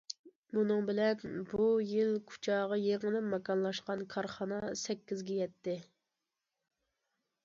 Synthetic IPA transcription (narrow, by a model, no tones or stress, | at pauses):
munɨŋbɪlɛnbujilkʰu̥t͡ʃʰɑːʁɑjeʁəlɨpmɛkɑnlˠɑʃqɑnkʰɑɾχɑnɑsɛkʲːizɡʲɛjɛt̪ʰːɪ